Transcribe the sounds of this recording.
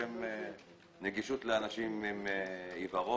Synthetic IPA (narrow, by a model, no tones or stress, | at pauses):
em | neɡiʃut̪leanaʃimimeivaʁo